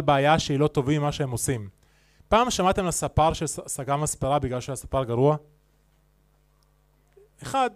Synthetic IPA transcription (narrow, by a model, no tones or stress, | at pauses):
beajaʃeilo̞t̪o̞vimaʃeemo̞sim | paːmʃamat̪e̞mlasapaʁʃesaɡamaspeʁabiɡlalʃeajasapaʁɡaʁua | eχad